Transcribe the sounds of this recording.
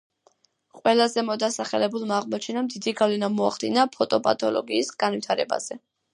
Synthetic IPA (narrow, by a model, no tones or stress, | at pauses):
qʼwɛlˠazɛmɔd̪asaχɛlɛbulˠmːʁmɔt͡ʃʰɛnamd̪id̪iɡavlɛnamɔaχd̪inapʰɔt̪ʼɔpʼa̰t̪ʼɔlˠɔ̰ɡiːsɡanvit̪ʰaɾɛ̰ba̰z̥ɛ